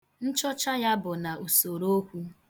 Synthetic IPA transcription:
n̩˦t͡ʃɔ˦t͡ʃa˦ja˦bʊ˨na˨ʔu˨so˨ɾo˦kʷu˦

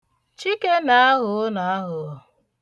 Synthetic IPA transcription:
t͡ʃi˦ke˦na˨a˦ɦʊ˨˦ʊ˦na˨a˦ɦʊ˨ɔ˨

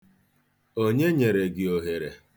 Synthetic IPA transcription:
o˦ɲe˦ɲe˨ɾe˨ɡɪ˨o˨ɦe˨ɾḛ˨

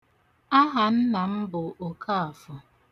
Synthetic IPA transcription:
a˦ɦa˨n̩˦na˨m̩˦bʊ˨o˨kʰa˦a˨fʊ˨

